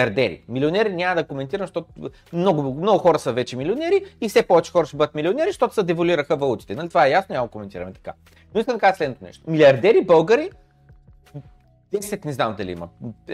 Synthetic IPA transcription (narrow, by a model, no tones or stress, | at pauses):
ɐɾd̪ɛɾḭmilionɛɾinʲaməd̪ɐkomɛnt̪iɾəmʃt̪ɔt̪ | mnɔɡʊmnɔɡʊxɔɾəsəvɛt͡ʃɛmilionɛɾiifsɛpɔvɛt͡ʃɛ̥xɔɾəʃt̪ɛbɤd̪ət̪milionɛɾiʃt̪ɔt̪ʊ̥səd̪ɛvoliɾəxəvɐlˠut̪i̥t̪ɛnɐlit̪ovaɛjasnonʲaməɡ̪komɛnt̪iɾɐ̰mɛt̪ɐ̥ka̰ | noiskəmd̪ɐkazəslɛd̪not̪onɛ̰ʃt̪omilʲiɐɾd̪ɛɾibɤlˠɡəɾi | d̪̥ɛsɛt̪nɛznamd̪ɐliḭmɐ̰